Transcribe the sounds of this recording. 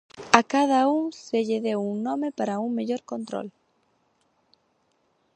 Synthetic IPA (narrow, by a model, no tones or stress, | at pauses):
akað̞auŋseʎeðewuŋnɔ̃mepaɾauŋmeʎoɾkont̪ɾo̰l